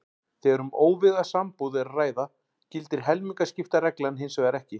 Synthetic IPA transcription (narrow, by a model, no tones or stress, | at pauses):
θɛɛɾʏmoːwvɪɣasampowðɪɾraːjða | cɪlt̪ɪɾ̥ɦɛlmiŋkascɪft̪arɛklanɦɪnsɛaɾɛhcɪ